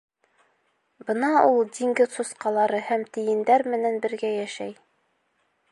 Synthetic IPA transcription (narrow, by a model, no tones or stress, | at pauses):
bɤnɑulˠd̪ʲiŋɡɘzsusqɑlˠɑɾɤhæmt̪ɘ̆jɘ̆nd̪æɾmɘ̆nænbɘ̆ɾɡæjæʃæj